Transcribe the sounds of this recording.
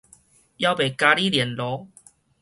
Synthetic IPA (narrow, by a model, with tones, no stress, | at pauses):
ja˧˦wbe˨˩ka˧li˦ljɛ˨˩nlɔ˨˦